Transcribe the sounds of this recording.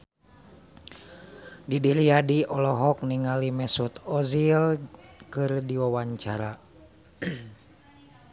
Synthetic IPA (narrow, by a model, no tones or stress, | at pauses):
didiɾiadiʔɔlɔɦɔk̚niŋalimɛsut̪ɔzilkɨrdiwawaɲt͡ʃaɾa